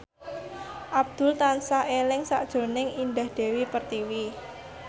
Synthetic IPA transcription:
ʔab̚d̪̥ʊ̤lt̪ansaelɪŋsa̰ʔd̥ʒ̥o̤nɪŋind̪ahd̪̥e̤wipərt̪iwi

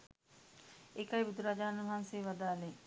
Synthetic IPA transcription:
ekɐjbud̪uɾad͡ʒaːanuʋɐɦanseːʋad̪aːle

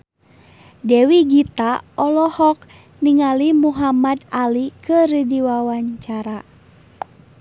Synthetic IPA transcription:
dɛwiɡit̪aɔlɔhɔk̚ | niŋalimuɦamad̪alikɨɾidiwawaɲt͡ʃaɾa

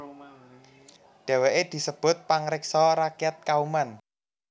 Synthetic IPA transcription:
ɖ̪̥ɛ̤weʔed̪̥i̤səb̥ʊ̤t̪̚paŋɾɪksɔɾakɛt̪̚kauman

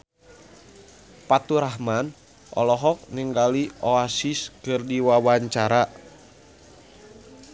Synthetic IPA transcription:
pat̪uɾaɦman | ʔɔ̰lɔɦɔk̚niŋɡalioasiskɨrdiwawaɲt͡ʃaɾa

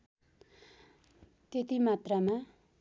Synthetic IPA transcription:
t̪et̪imat̪rama

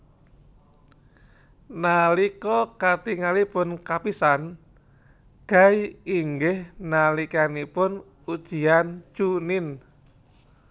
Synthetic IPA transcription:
nalikɔkat̪iŋalipʊnkapisan | ɡ̥ajiŋɡɪhnalikanipʊn | ud̥ʒ̥i̤ant͡ʃunɪn

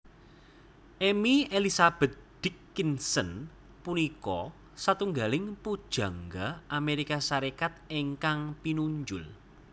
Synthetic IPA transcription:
ʔemielisab̥ɛ̤t̪̚d̪̥ikːinsən | punikɔ | sat̪uŋɡalɪŋpud̥ʒ̥ä̤ŋɡaʔameɾikasaɾekat̪̚eŋkaŋpinuɲd͡ʒʊl

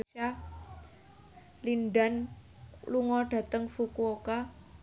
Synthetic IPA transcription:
a | linɖan | luŋɔɖ̥a̤t̪əŋfukuoka

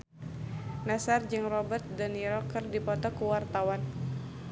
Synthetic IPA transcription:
nasard͡ʒɨŋrɔbərt̪̚dəniɾɔkɨrdipɔt̪ɔkuwart̪awan

